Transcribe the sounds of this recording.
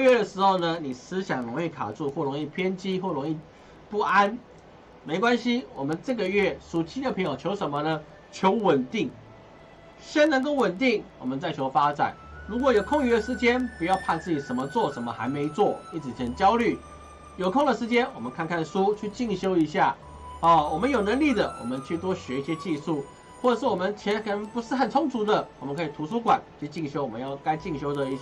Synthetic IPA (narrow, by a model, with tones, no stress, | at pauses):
ɥɛ˥˩d̪ə˩ʂɻ̩˧˥xo˥˧ʊnə˨ni˨˩sɹ̩˥ɕjɑ˨˩ŋlo˧˥ŋi˥˩kʰa̰˨˩ʈ͡ʂu˥˧xwɔ˥˩ɻo˧˥ŋi˥˩pʰjɛ˥nt͡ɕi˥xwɔ˥˩lʊ˧˥ŋi˥˧ | pu˥˩a˦˥n | me˧˥ɪkwa˦nɕi˦wɔ˨˩mə˦nʈ͡ʂɤ˥˩ɡə˨ɥɛ˥˩ʂu˨˩t͡ɕʰi˥d̪ə˨pʰɤ˧˥jo˨˩t͡ɕʰjo˧˥ʊʂə˧˥nmə˧nə˧ | t͡ɕʰjo˧˥ʊwə˨˩nt̪i˥˩ŋ | ʂə˥nɤ˧˥ŋko˥˩ʊwə˨˩nt̪i˥˩ŋwɔ̰˨˩mə˦nt͡sa˥˩ɪt͡ɕʰjo˧˥ʊfa˥t͡sa̰˨˩˦ɪɻu˧˥kwɔ˨˩jo˨˩ʊkʰo˥˧ŋy˧˥d̪ə˨˩ʂɻ̩˧˥t͡ɕjɛ˥npu˧˥jɑ˥˧ʊpʰa˥˧nt͡sɹ̩˥˩t͡ɕi˨˩ʂə˧˥nmə˧t͡swɔ˥˩ʂə˧˥nmə˧xa˧˥ɪme˧˥ɪt͡swɔ˥˩i˥t͡sʰɻ̩˨˩t͡ɕʰə˧˥nt͡ɕjɑ˥ʊly˥˩ | jo˨˩ʊkʰʊ˥˩ŋd̪ə˩ʂɻ̩˧˥t͡ɕjɛ˥nwɔ˨˩mə˦nkʰa˥˧nkʰa˥˩nʂu˥t͡ɕʰy˥˧t͡ɕi˥˧ŋɕjo˥ʊi˧˥ɕja˥˩ | ɔ˥˧wɔ˨˩mə˦njo˨˩ʊnə˧˥ŋli˥˩d̪ə˩wɔ̰˨˩mə˦nt͡ɕʰy˥˩t̪wɔ˥ɕɥɛ˧˥i˥˩ɕjɛ˥t͡ɕi˥˧ʂu˥˩ | wɔ˥˩ɤ˨˩ʂɻ̩˥˩wɔ˨mə˧˦nt͡ɕʰjɛ˧˥nkʰə˨nə˧˥ŋpu˧˥ʂɻ̩˥˩xə˨˩nt͡sʰʊ˥ŋt͡sʰu˧˥d̪ə˨wɔ˨mə˦nkʰɤ˧˥i˨˩t̪ʰu˧˥ʂu˥kwa̰˨˩˦nt͡ɕʰo˥˧t͡ɕi˥˩ŋɕjo˥ʊwɔ˨˩mə˦jɑ˥˩ʊka˥ɪt͡ɕi˥˧ŋɕjo˥ʊd̪ə˨i˥˩˥